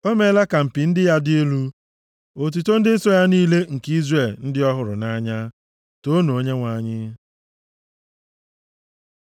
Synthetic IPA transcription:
o˦me˦la˦ka˨m̩˨pi˨n̩˦dɪ˦ja˦di˦e˦lu˦ | o˨t̬u˨to˦n̩˦dɪ˦n̩˦sɔ˦ja˦niː˦le˦ŋ̩˨ki˦zre˨ln̩˦dɪ˦ɔ˦ɦʊ˨ɾʊ̰˨na˦ɲa˦ | to˦no˨˦ɲe˦ŋʷa˨ɲɪ˦

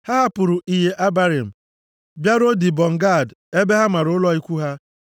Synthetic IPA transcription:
ha˦ɦa˦pʊ˨ɾʊ˨ʔi˨ɦe˨ʔa˦ba˦ɾi˨m̩˨ | bja˦ɾo˦di˨bɔ˨ŋ̩˨ɡa˦˨de˦be˦ɦa˦ma˨ɾʊ˨˦ʊ˦lɔ˦i˦kʷu˦ɦa˦

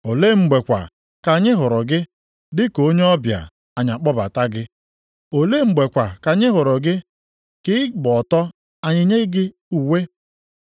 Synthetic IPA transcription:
o˨le˦ŋ͡m̩˨ɡ͡be˨kʷa̰˨ | ka˨ɲɪ˦ɦʊ˨ɾɔ˨ɡɪ˦ | dɪ˦ko˨˦ɲe˦ɔ˦bja̰˨ | a˨ɲa˨k͡pɔ˦ba̰˨ta˦ɡɪ˦ | o˨le˦ŋ͡m̩˨ɡ͡be˨kʷa˨ka˨ɲɪ˦ɦʊ˨ɾɔ˨ɡɪ˦ | kɪ˦ɪ˦ɡ͡bɔ˨tɔ˦ | a˨ɲɪ˦ɲe˦ɡɪ˦ | u˨we˦

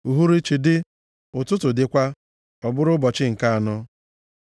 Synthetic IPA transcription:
u˨ɦu˦ɾi˦t͡ʃi˨dɪ˦ | ʊ˨tʊ˦tʊ˨dɪ˦kʷa˦ | ɔ˨bʊ˦ɾʊ˦bɔ˨t͡ʃɪ˦ŋ̩˨ka˦a˨nɔ˦

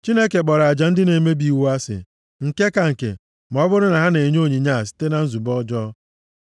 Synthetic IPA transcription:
t͡ʃi˦ne˦ke˨k͡pɔ˨ɾa˨d͡ʒa˨n̩˦dɪ˦ne˨me˦bi˨wu˦a˦sɪ̰˨ | ŋ̩˨ke˦ka˨ŋ̩˨kḛ˨ | m˨ɔ˦bʊ˦ɾʊ˦na˨ɦa˦ne˨ɲ˦o˦˨ɲi˨ɲa˦˨s̬i̥˦te˦na˨n̩˦zu˨bɔ˦d͡ʒɔ˦

